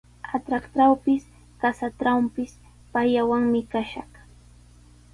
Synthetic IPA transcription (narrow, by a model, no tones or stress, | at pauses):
at̪ɾakt̪awpɪs | kasat̪ɾawmpɪs | pajawaŋmɪkaʃɑχ